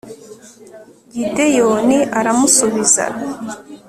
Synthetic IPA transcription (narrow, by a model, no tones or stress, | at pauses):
vide̞joniʔaɾamusuβiza̰